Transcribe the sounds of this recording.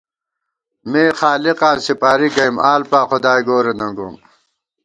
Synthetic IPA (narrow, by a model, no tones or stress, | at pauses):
meːxaːliqaːnsipaːɾiɡɐjmaːlpaːxʊd̪aːjɡoːɾenɐŋɡṵm